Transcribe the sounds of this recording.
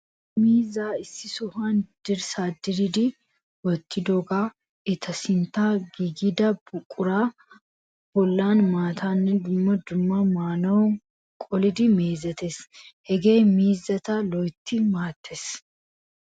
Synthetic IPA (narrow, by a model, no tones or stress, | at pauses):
miːzaːɪsːɪsʊhaːnd̪̥ɪɾsaːd̪ɪɾɪd̪ɪ | wɔt̪ʰːɪd̪ɔɡaː | ɪt̪ʰɐsɪnt̪aːɡiɡɪd̪ɐbʊkʼːʊɾaː | b̥ɔlːaːnmaːt̪ʰaːnːɛd̪ʊmːɐd̪ʊmːamaːnɐw | kʼɔlɪd̪ɪmeːzɐt̪eshɛɡeːmiːzːɐt̪ɐlɔjt̪ːɪmaːt̪ːes